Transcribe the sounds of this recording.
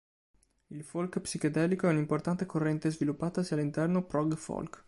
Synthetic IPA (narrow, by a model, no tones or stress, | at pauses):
ilfolkpsikod̪ɛːlikoɛunimport̪ant̪ekorːɛnt̪ezvilupːaːt̪asialːint̪ɛrnopɾɔɡfɔ̰lk